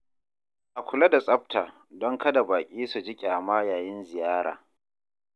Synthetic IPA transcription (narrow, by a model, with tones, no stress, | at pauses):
ʔa˨kʷʊ˨la˦da˨sʼɐ˦ɸ̚taː˨ | dɔ˦ŋkɐ˦da˨baː˨kʲʼiː˦su˨d͡ʒɪ˦kʲʼaː˨maː˦jaː˨jɪ˦nzɪ˨jaː˦ɽa̰ː˨